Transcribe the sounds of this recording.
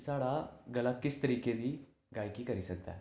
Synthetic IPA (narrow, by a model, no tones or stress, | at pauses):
saɽaɡəlakːit͡st̪əɾiked̪iː | ɡajkiːkəɾisək̚t̪a̰